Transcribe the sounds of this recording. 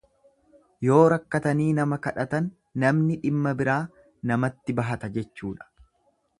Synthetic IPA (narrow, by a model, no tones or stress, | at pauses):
jo̞ːɾɐkːɐt̪ɐniːnɐmɐkɐᶑɐt̪ɐnː | ɐmnɪᶑɪmːɐbɪɾaː | nɐmɐt̪ːɪbɐɦɐt̪ɐd͡ʒɛt͡ʃːuːᶑɐ̥